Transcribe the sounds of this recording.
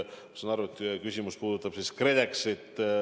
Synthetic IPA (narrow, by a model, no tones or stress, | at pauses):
sɑnɑɾuet̪kysʲimuspuːd̪ut̪ːˑɑb̥siskred̪ekset̪ːˑ